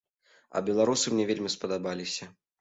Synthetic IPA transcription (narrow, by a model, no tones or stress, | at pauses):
ɐ̰bʲɛlˠaɾusɨmnʲɛvʲelʲmʲispɐd̪abalʲisʲɐ